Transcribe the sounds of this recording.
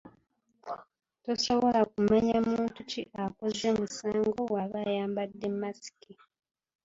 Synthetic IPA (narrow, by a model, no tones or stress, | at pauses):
to̞so̞βo̞lakumaɲamuːntuciʔakozemusaːŋɡo̞waβajaːmbadːemːasi̥ki